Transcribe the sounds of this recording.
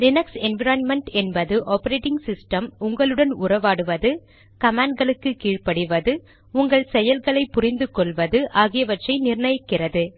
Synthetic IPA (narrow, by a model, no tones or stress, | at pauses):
ɾɪnɐksɛnʋɪɾaːnmɛɳʈɛnbɐðɯʔoːpɐɾeːʈɪŋɡsɪsʈɐmʊŋɡɐɭɯɽɐnʊrɐʋaːɽɯʋɐðɯ | kɐmaːɳɖ̚ɡɐɭɯkːɯkiːɻpɐɽɯʋɐðɯ | ʊŋɡɐɭsɛjɐlɣɐɭɐɪpʊrɪnd̪ɯkɔɭʋɐðɯʔaːɣɪjɐʋɐʈrɐɪnɪrɳɐjɪkːɪrɐðɯ